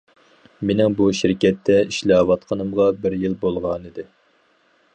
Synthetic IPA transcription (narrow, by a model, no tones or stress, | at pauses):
menɪŋbuʃiɾkʲɛt̪ʰːɛiʃlɑːwɑt̪qʰənɨmʁɑbɪɾjɪlˠbolˠʁɑnɨd̪ɪ